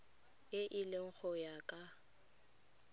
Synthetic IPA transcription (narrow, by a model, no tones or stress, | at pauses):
ɪʔɪleŋ̩k͡xʰɔjakʼa